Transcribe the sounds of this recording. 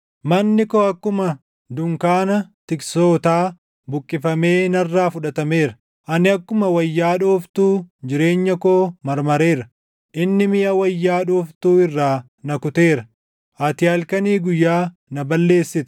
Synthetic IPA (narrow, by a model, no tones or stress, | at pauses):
mɐnːɪkoɐkːʊmɐ | d̪ʊŋkaːnɐt̪ɪkso̞ːt̪aː | bʊkʼːɪfɐme̞ːnɐrːaːfʊᶑɐt̪ɐme̞ːɾɐ̥ | ʔɐnɪɐkːʊmɐwɐjːaːᶑoːft̪uːd͡ʒɪɾe̞ːɲːɐkoːmɐɾmɐɾe̞ːɾɐ | ʔɪnːɪmɪjɐwɐjːaːᶑoːft̪uːɪrːaː | nɐkʊt̪e̞ːɾɐ | ʔɐt̪ɪɐlkɐniːɡʊjːaː | nɐbɐlːe̞ːsːɪt̪ʊ̥